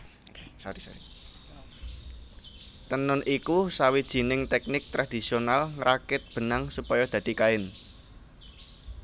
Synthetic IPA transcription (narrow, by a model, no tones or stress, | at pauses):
saɾisa̰ɾi | t̪ənʊnʔikusawid̥ʒ̥i̤nɪŋt̪ɛk̚nɪk̚t̪ɾad̪̥i̤sionalŋɾʔakɪt̪̚b̥ə̤naŋsupɔjɔd̪̥ä̤d̪̥i̤kaɪn